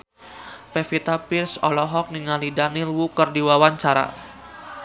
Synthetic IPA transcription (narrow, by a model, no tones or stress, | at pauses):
pefit̪apirsɔlɔɦɔk̚niŋalidanilwukərdiwawaɲt͡ʃaɾa̰